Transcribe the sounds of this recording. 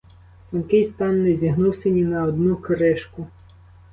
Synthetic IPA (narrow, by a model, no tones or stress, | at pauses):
t̪ɔnkɪjst̪ɑnːɛzʲiɦnuwsʲenʲinɐɔd̪nukɾɪʃkʊ